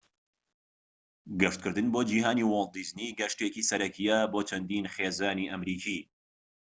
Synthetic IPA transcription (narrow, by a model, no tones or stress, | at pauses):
ɡɨʃt̪̚kʰɨɾd̪ɨnboːd͡ʒiːɦaːniwolˠd̪iːzniɡɐʃt̪eːkiːsɐɾɐkʰijɛboːt͡ʃʰɐnd̪iːnχeːzaːniʔɐmɾiːkʰiː